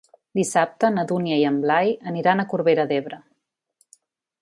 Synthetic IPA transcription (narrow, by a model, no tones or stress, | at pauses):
d̪isap̚t̪ənəðuniəiəmblajəniɾanəkuɾβeɾəðeβɾə